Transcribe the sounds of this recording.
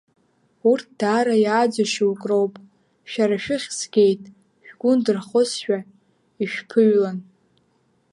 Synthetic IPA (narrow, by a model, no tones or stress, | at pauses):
urtʰd̥aːɾajaːd͡zaʃwkʼro̞wpʼ | ʃᶣaɾaʃᶣɪχʲsɡʲe̞jtʼ | ʃᶣɡ̥ʷʊndɨrχʊsʃᶣa | iʃᶣpʰɨɥlan